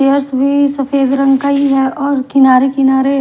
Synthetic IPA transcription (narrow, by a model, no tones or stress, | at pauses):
ejəɾsbʱisɐfeːd̪ɾɐ̃ŋɡkaːiɦɛɔːɾkɪnaːɾekɪnaːɾe